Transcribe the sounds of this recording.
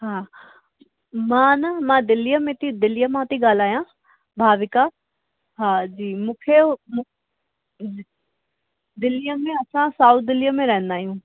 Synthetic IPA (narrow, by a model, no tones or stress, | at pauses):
ɦãː | mãːnəmãːd̪ɪlijəmẽt̪id̪ɪlijəmãːt̪iɡaːl̤aːjãː | bʱaːʋɪkaː | ɦãːd͡ʒiːmũːkʰemũ | d̪ɪlːijəmẽɐsãsaːut̪̚d̪ɪlijəmẽɾɛ̃ɦə̃nd̪aːɦijũː